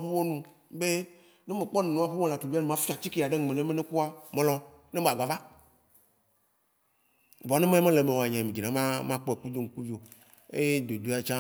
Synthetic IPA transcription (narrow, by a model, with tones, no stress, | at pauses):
ɸe˦wo˦nũ˦ | be˦ | ne˦me˨k͡pɔ˦nẽ˨nũ˨˦a˨ɸe˦mẽ˦˨la˨tu˨vi˦a˦nũ˦mã˦fi˦a˨t͡ɕi˦ki˦˨a˨ɖe˦˨ẽ˨le˦mẽ˦ne˦ku˦a˦mẽ˨lɔ˦ | ne˦ba˨ɡ͡ba˨va˦ | bɔ˨nẽ˦me˦mẽ˦le˨mẽ˨wo˨a˨ɲã˨mĩ˨d͡ʑi˨nã˨˦mã˦mã˦k͡pɔ˦e˨ku˦d̪o˦ŋ̩˨ku˦vo˨ | e˦je˦d̪o˨d̪o˦a˨t͡ʃã˦